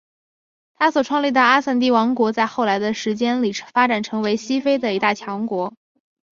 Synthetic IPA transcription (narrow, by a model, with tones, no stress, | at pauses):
t̪ʰa˥swɔ˨˩ʈ͡ʂʰwɑ˥˧ŋli˥˩d̪ə˩a˥sa˥˩nt̪̬i˥˩wɑ˧˥ŋkwɔ˧˥t͡sa˥˧ɪxo˥˩ʊla˧˥ɪd̪ə˧ʂɻ̩˧˥t͡ɕjɛ˥nli˨˩fa˥ʈ͡ʂa˨˩nʈ͡ʂʰɤ˧˥ŋwe˧˥ɪɕi˥fe˥ɪd̪ə˨i˧˥t̪a˥˩t͡ɕʰjɑ˧˥ŋkwɔ˧˥